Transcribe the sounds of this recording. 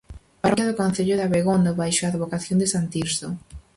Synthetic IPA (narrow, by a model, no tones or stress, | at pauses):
paɾaðʊkõn̟θeʎʊðaβeɣond̪oβajʃoaːðβokaθjond̪ɪsant̪iɾst̪o